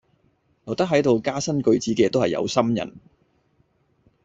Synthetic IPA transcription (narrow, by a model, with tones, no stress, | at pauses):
lɔ˨˩wt̪ɐ˥k̚ɦɐ˨˥jt̪o˨wkaː˥sɐ˥nkɵ˧ɥt͡siː˨˥kɛː˧t̪o˥hɐ˨jɐ̰˧wsɐ˥mjɐ̰˨˩n